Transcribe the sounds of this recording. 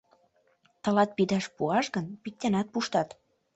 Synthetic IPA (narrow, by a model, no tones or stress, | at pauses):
t̪ɤ̆lɑt̪̚pid̪ɑʃpuɑʃɣənpik̚t̪enɑt̪̚puʃt̪ɑt̪